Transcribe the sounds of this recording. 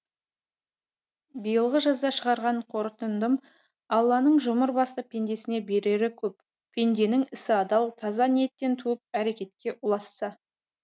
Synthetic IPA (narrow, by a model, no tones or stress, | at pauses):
bijəlˠʁəʒɑzd̪ɑʃəʁɑɾʁɑɴqʰo̞ɾt̪ənd̪əm | ɑlˠːɑnəɴʒʊməɾbɑst̪əpʰʲe̞nd̪e̞sɪne̞be̞ɾe̞ɾɪkʲʰɵp | pʲʰe̞nd̪e̞nɪŋɪsɪɑd̪ɑlˠt̪ʰɑzɑnije̞t̪ːe̞nt̪ʰuɪp̚æɾe̞kʲe̞t̪kʲe̞ʔʊlˠɑsːɑ